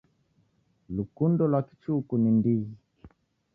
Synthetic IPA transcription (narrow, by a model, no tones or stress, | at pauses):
lukundɔlwaki̥t͡ʃukunindiɣi